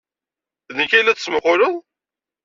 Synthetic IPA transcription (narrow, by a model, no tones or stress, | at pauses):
ðnəkæjlːæt͡sːəsməχʊɾəðˤ